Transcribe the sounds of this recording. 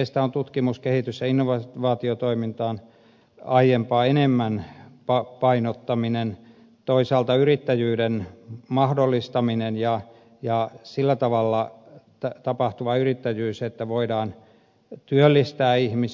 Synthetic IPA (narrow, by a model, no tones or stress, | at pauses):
eist̪æont̪ut̪kimuskehit̪ysːæinːoʋɑʋɑːt̪iot̪oimint̪ɑːn | ɑijjempɑːenemːænpɑpɑinot̪ːɑminen | t̪oisɑːlt̪ɑyrit̪ːæjyːdenmɑhdolːist̪ɑminenjɑ | jɑsilːæt̪ɑʋɑlːɑt̪t̪ɑpɑht̪uʋɑyrit̪ːæjyːset̪ːæʋoidɑːn | t̪yølːist̪æːihmi